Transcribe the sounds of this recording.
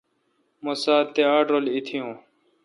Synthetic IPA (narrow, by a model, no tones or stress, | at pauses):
mosaːt̪eaːʈɾolit̪ʰijũː